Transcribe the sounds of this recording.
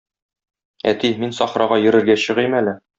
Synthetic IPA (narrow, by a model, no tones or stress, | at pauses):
æ̰t̪iminsɒχɾɑʁɑjɘ̆ɾɘ̆ɾɡæɕɤ̆ʁimælɘ